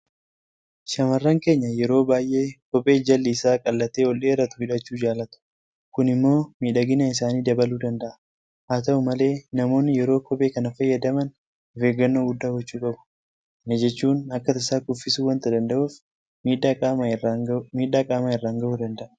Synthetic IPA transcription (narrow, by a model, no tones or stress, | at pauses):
ʃɐmɐrːɐŋke̞ːɲːɐjɛɾo̞ːbaːjʔe̞ːkɔpʼe̞ːd͡ʒɐlːɪɪsaːkʼɐlːɐt̪eːwɔlːeːɪrːɐt̪ʊhɪᶑɐt͡ʃːuːd͡ʒaːlɐt̪ʊ̥ | kʊnɪmːo̞ːmiːᶑɐɡɪnɐɪsaːniːd̪ɐbɐluːd̪ɐnd̪ɐʔɐ̥ | haːt̪ɐʔʊmɐle̞ːnɐmo̞ːnːɪjɛɾoːkʰɔpʼeːkɐnɐfɐjːɐd̪ɐmɐn | ɔfeːɡːɐnːoːɡʊd̪ːaːɡɔt͡ʃːuːkʼɐbʊ̥ | nɐd͡ʒɛt͡ʃːuːnɐkːɐt̪ɐɪsaːkʊfːɪsuːwɐnt̪ɐd̪ɐnd̪ɐʔuːf | iːᶑa | miːᶑaːkʼaːmaɪrːaːŋɡɐʔuːd̪ɐnd̪ɐʔɐ̥